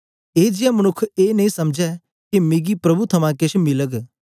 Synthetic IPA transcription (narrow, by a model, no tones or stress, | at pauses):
eːd͡ʒɪjamɐnʊkʰːeːnɐĩsɐmd͡ʒɛ | kimiɡipɾɐbut̪ʰɐmãkeʃmɪləɡ